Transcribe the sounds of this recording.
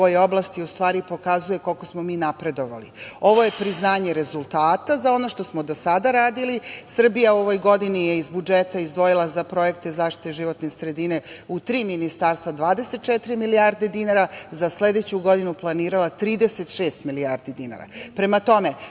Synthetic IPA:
ojo̞blˠast̪iust̪ʋaːɾipo̞kazuje̞ko̞lko̞smomiːnapɾe̞d̪o̞ʋa̰lḭo̞ʋo̞je̞pɾiznaːɲe̞ɾezulˠt̪aːt̪azao̞no̞ʃt̪o̞smod̪o̞sad̪aɾaːd̪ilisr̩bijauo̞ʋo̞jɡo̞d̪inijeizbud͡ʒet̪aizd̪ʋo̞jilˠazapɾo̞je̞k̚t̪ezaːfʃt̪i̥t̪eʒiʋo̞t̪nesɾe̞d̪ine̞ut̪ɾiːminist̪aɾst̪vad̪ʋaːd̪e̞set̪̚t͡ʃɛt̪iɾimilijaɾd̪e̞d̪inaɾazasle̞d̪et͡ɕuɡo̞d̪inuplˠaniːɾalˠat̪ɾiːd̪eset̪ʃeːst̪miliaɾd̪id̪ina̰ɾa̰pɾe̞mat̪o̞me

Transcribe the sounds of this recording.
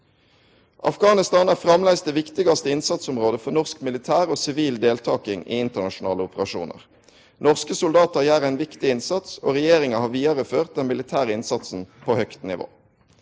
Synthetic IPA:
ʔɑ̰fɡɑːnɪst̪ɑːnæːʁfʁɑmlæɪst̪eːʋɪkt̪ɪɡɑst̪əɪnsɑt̪sʊmʁoːd̪əfɔʁnɔʁskmɪlɪt̪ʰæːʁoːsɪʋiːld̪eːlt̪ʰɑːkɪŋḭɪnt̪əʁnɑʃʊnɑ̰ːləʊpəʁɑʃṵːnə̰ʁ | nɔʁskəsʊld̪ɑːt̪əʁjæːʁæɪnʋɪkt̪ɪɪnsɑt̪so̰ːʁɛjeːʁɪŋəhɑːʋiːɑʁəføːʁt̪̚d̪ɛnmɪlɪt̪ʰæːʁəɪnsɑt̪sn̩pʰoːhœkt̪nɪ̰ʋo̰ː

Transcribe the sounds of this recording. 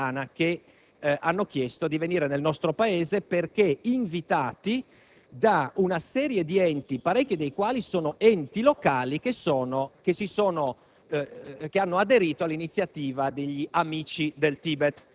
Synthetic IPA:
aːnake | anːok̟jɛst̪od̪iveniːɾenelnɔst̪ɾopaeːzeperkeiɱvit̪aːt̪i | d̪aunasɛːɾjed̪iɛnt̪ipaɾɛk̟ːid̪ejkwaːlisoːnoʔɛnt̪ilokaːlikesoːnokesisoːno | keanːoad̪eɾiːt̪oalːinit̪sːjat̪iːvad̪eʎːiʔamiːt͡ʃid̪elt̪iːbɛt̪

